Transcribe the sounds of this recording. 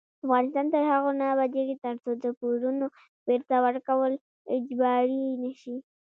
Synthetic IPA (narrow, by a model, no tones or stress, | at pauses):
afɣɑnɪst̪ɑnt̪əɾhaɣonabad̪eɡit̪əɾt͡sod̪əpuɾuno | b̥eɾt̪awəɾkawəl | ɪd͡ʒbɑɾinəʃi